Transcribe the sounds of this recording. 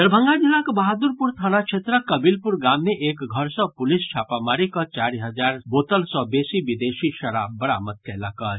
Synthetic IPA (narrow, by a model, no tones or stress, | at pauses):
d̪əɾbʱə̃ŋɡad͡ʒilːakbaɦad̪uɾpuɾt̪ʰanat͡ʃʰet̪ɾəkəbilpuɾɡamːeʔekɡʱəɾsɔ̃pulist͡ʃʰapamaɾikɔt͡ʃaɾiɦəd͡ʒaɾbot̪əlsɔ̃besibid̪esiʃəɾa̰bːəɽa̰mət̪̚kɛlakə